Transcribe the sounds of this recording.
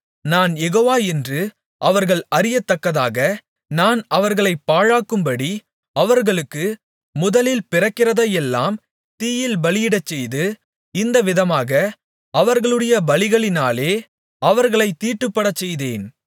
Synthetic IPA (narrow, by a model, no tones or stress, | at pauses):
naːnjɛɣoːʋaːɛndrɯ | ʔɐʋɐɾɣɐɭɐɾɪjɐt̪ːɐkːɐðaːɣɐ | naːnɐʋɐɾɣɐɭɐɪpːaːɻaːkːɯmbɐɽi | ɐʋɐɾɣɐɭɯkːɯ | mʊðɐlɪlpɪrɐkːɪrɐðɐjɛlːa̰ːm | t̪iːjɪlbɐlɪjɪɽɐt͡ʃːɛjðɯ | ɪnd̪ɐʋɪðɐmaːɣɐ | ɐʋɐɾɣɐɭɯɽɐjɐbɐɭɪɣɐɭɪnaːleː | ɐʋɐɾɣɐɭɐɪt̪ːiːʈːɯpːɐɽɐt͡ʃːɛjðeːn